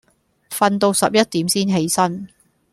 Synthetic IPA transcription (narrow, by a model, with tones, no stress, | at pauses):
fɐ˧nt̪o˧wsɐ˨p̚jɐ˥t̚t̪iː˨˥msiː˥nɦe˨˥jsɐ˥n